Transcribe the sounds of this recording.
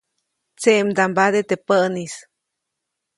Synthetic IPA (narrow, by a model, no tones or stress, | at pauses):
t͡seʔmd̪ambad̪et̪epənis